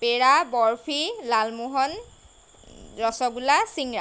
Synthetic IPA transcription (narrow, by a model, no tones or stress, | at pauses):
peɹabɔɹpʰilalmuɦɔn | ɹɔsɔɡulasiŋɹa